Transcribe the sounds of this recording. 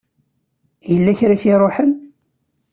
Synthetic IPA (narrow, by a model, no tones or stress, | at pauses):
jəlːæçɾaçiɾˤoħən